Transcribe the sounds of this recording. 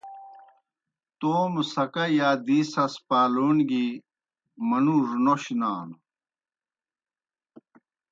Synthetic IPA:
t̪oːmusɐkɐjaːd̪iːsɐspaːloːnɡi | mɐnuʐnoɕnaːn

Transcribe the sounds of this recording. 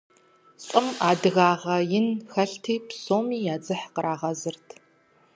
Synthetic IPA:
ɕʼɨmaːdɨɣaːʁɐjɪnxɐɬtʰiːpsoːmiːjaːd͡zɨħqəɾʔaːʁɐzɨrtʰ

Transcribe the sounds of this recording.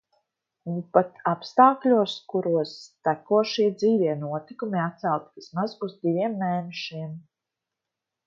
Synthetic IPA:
unpat̪apst̪aːklʲuɔskuɾuɔst̪ækuɔʃiɛd̪ziːvʲiɛnuɔt̪ikumiat̪̚sælˠt̪iismazuzd̪ivʲiɛmːɛːnɛʃiɛm

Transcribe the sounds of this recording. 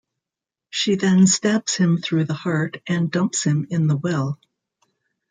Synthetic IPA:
ʃiðɨ̃nstæbshɨ̃mθɹʉðəhɑɹɾʔɨ̃ndʌ̃mpshɨ̃mɪ̃nðəwɛlˠ

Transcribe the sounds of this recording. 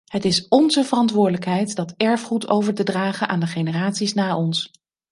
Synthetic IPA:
ɦətɪsɔnzəvərɑntʋʊːɹdələkɦɛjtdɑtɛɹfχutʰowvəɹtədraːχənʔaːndəχejnəraːtsisnaːʔɔns

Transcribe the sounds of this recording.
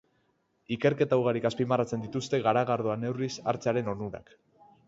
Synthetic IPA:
ike̞ɾke̞t̪awɣaɾikaspimarat͡se̞nd̪it̪ust̪e̞ɣaɾaɣaɾðoane̞wrisa̰ɾt͡seaɾe̞no̞nuɾa̰k

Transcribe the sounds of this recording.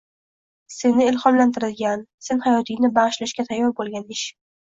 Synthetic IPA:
se̞nɪɪlχɒmlant̪ʰɪɾɪd̪ɡʲanse̞nhajɒt̪ʰɪŋnɪbaʁɨʃlaʃkʲat̪ʰajːɒɾbolˠɡʲanɪʃ

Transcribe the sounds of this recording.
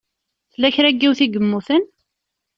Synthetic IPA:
θlːæçɾæɡːiwθiɡəmːuθən

